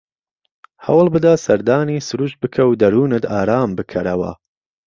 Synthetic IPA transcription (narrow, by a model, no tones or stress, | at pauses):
hɐ̰wlˠbɨd̪asɐɾd̪aːnisɨɾuːʃbɨkʰɐwd̪ɐɾuːnɨt̪aːɾaːmbɨkʰɐɾɐwɐ̰